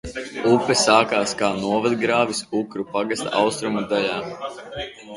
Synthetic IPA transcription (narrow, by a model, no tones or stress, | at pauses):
upːɛsaːkaːskaːnuɔvad̪ɡɾaːvisukɾupaɡast̪a̰ʔawst̪ɾumad̪aʎaː